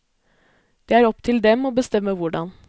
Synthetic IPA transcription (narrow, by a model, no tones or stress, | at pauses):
d̪̥eːæːɾɔpt̪ʰɪld̪ɛmoːbəst̪ɛməʋʊɖɑ̰n